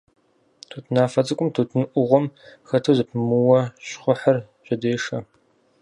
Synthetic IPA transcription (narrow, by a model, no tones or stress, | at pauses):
tʰuːtʰnaːfɐt͡sʼɨkʷʼʊmtʰuːtʰɨnɨʔʷʊʁʷɔmxɐtʰuzɨpʰɨmɨwɐɕχʷʊħɐrɕʼɐdeːʂɐ